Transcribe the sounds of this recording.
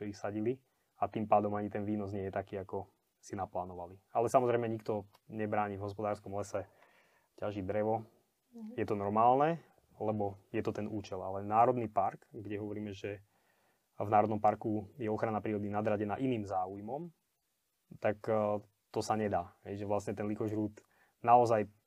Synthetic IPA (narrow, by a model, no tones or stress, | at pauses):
t̪ɔixsaɟili | at̪impaːd̪ɔmaɲit̪ɛnʋiːnɔz̬ɲɪɛjɛt̪akiːakɔ | sinaplaːnɔʋalialɛsamɔzɾɛɪmɛɲik̚t̪ɔ | ɲɛbɾaːɲivɦɔspɔd̪aːɾskɔmlɛsɛ | caʒid̪ɾɛʋɔ | jɛt̪ɔnɔɾmaːlnɛ | lɛbɔjɛt̪ɔt̪ɛnuːt͡ʃɛlalɛnaːɾɔd̪nipaɾkɡɟɛɦɔʋɔɾiːmɛʒɛ | vnaːɾɔd̪nɔmpaɾkujɛɔxɾanapɾiːɾɔd̪inad̪ɾaɟɛna̰ʔiniːmzaːujmɔm | t̪ak | t̪ɔsaɲɛd̪aːɦɛjʒɛʋlastɲɛt̪ɛnlikɔʒɾuːt̪ | naɔzaj